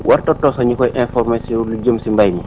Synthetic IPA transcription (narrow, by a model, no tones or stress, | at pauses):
wʔartɔtːɔsɔɲikɔjʔɛnfɔɾmasiɔlud͡ʒəmsimbajmi